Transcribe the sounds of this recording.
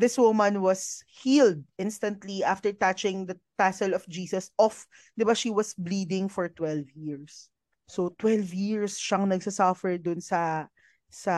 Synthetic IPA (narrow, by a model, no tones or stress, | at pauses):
ðɪswʊmɐ̃nwɐshiːld̪̚ɪ̃nst̪ɐ̃nt̪liʔaft̪ɛɹt̪at͡ʃɪ̃ŋd̪ɐt̪asɛlɔfd͡ʒiːsɐsɔf | d̪ɪbaʃiːwɐsbliːd̪ɪ̃ŋfɔɹt̪wɛlvjiɹsː | ot̪wɛlvjiɹsʃɐŋnɐɡ̚sɐsɐfɛɹd̪ʊnsɐ | sɐ